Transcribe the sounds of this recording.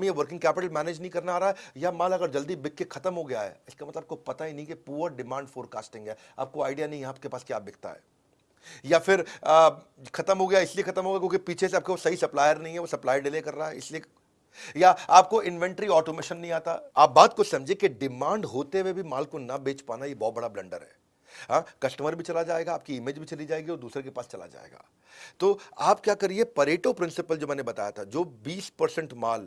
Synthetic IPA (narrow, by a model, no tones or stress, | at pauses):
mijeʋɐɾkɪ̃ŋɡkɛːpɪʈəlmɛːneːd͡ʒnɐɦĩkɐɾnaaːɾaɛjamaːlɐɡəɾd͡ʒɐld̪ibɪkːexʰɐt̪əmɦoɡɐjaɦɛ̰ːɪskamɐt̪ləb̚kopɐt̪aɦinɐɦĩkepuːɾaɖɪmãːɳɖfoːɾka̰ːsʈɪ̃ŋɡɛː | a̰ːp̚koaːɪɖijanɐɦĩɦɛaːp̚kepaːskja̰ːbɪk̚ʰt̪a̰ɦɛ̰ː | jafɪɾ | xɐt̪əmɦoɡɐjaɪsliexʰɐt̪əmɦoɡjaːkjõːkipiːt͡ʃʰeseaːp̚keʋosɐɦisɐplaːjəɾnɐɦĩɦɛʋosɐplaːiɖɪleːkɐɾːaɦɛɪslie | jaaːp̚koʔɪ̃nʋɛ̃ɳʈɾiɔːʈomeːʃənːɐɦĩaːt̪aaːp̚baːt̪kosɐ̃md͡ʒʱiekeɖɪmãːɳɖɦoːt̪eʋebʱimaːlkonɐbeːt͡ʃpaːnajebɔɦːt̪bɐɽablɐ̃ɳɖəɾɦɛ̰ː | ɦãːkɐsʈəməɾbʱit͡ʃɐlad͡ʒaːeːɡaːp̚kiɪmeːd͡ʒbʱit͡ʃɐlid͡ʒaːeːɡiɔːɾd̪uːsɾekepaːst͡ʃɐla̰d͡ʒa̰ːḛːɡa̰ː | t̪oːaːpkjaːkɐɾiepɐɾeːʈopɾɪ̃nsɪpəld͡ʒoːmɛ̃ːnebɐt̪a̰ːjat̪ʰad͡ʒoːbiːspɐɾsə̃ɳʈmaːl